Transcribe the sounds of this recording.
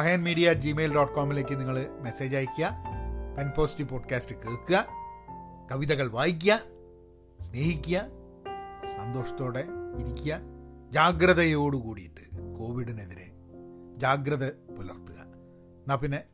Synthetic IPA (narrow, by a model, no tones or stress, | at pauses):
ɐɦɐjɐnmiːɽijad͡ʑime̞ːlɖoːʈːkoːmile̞ːk̬ʲːɨniŋːɐɭɨme̞se̞ːd͡ʑaːjikʲːuɐpenpo̞ːstipo̞ːɖkʲaːstɨkeːɭkːuɣɐ | kɐʋiðɐɣɐɭʋaːjik̬ʲːɐ | sne̞ːhikʲːuɐ | sɐnd̪o̞ːʂɐ̥t̪ːo̞ːɽeiɾikʲːujɐ | d͡ʑaːɡɾɐðɐjo̞ːɽukuːɽijiʈːɨ̥ko̞ːʋiɽine̞ðiɾḛ | d͡ʑaːɡɾɐðɐpulɐ̰rt̪ːuɣɐ̰ | naːpinːe